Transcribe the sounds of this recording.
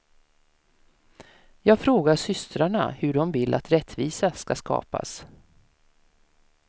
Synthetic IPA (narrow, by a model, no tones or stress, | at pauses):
jɑːɡfɾoːɡaʂʏst̪ɾaɳa̰hɵɖɔmvɪlːʔa̰t̪ɾɛt̪ːviːsaskaskɑ̰ːpa̰s